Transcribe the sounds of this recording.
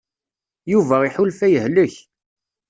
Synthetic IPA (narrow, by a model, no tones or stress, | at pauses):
juvæiħʊlfæjəhləç